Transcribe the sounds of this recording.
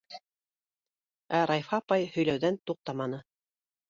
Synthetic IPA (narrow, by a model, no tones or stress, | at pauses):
æɾɑjfɑpɑjhɵ̆jlæwðænt̪uq̚t̪ɑmɑnɤ